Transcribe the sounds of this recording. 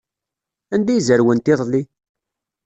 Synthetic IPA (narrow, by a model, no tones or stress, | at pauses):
ænd̪æjzəɾwənt̪iðˤlːi